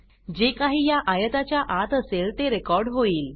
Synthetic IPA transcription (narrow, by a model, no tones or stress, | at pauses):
d͡ʑekaɦiːjaʔajət̪at͡ɕjaʔat̪əselt̪eɾekɔɾɖɦoiːl